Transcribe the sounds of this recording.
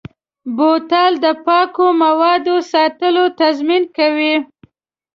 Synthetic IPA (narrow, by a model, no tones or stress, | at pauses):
bot̪ɑld̪əpɑkomawɑd̪osɑt̪əlot̪azminkawi